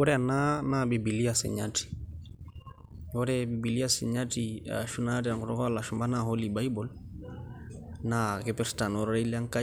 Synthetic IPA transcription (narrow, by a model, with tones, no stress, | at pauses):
ɔ˦ɾɛ˦a˨na˦nabi˨bi˨li˦asɪ̰˨ɲati̥˨ | ɔ˦ɾɛbi˨bi˨li˦asɪ̰ɲa˦tia̰ʃu˦nad̬ia˨ŋkɔ˨ɾɔ̰˦kɔ˦la˨ʃumba˦nahɔliba˦i˦bɔl | nakɪpɛɾta˨nɔɾɾa˦ila˦ŋka˦